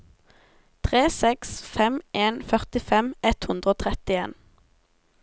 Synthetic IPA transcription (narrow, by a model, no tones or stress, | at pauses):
t̪ʰʁeːsɛksfɛmʔeːnfœʁt̪ɪfɛmɛt̪hʉnd̪ʁəoːt̪ʰʁɛt̪ɪeːn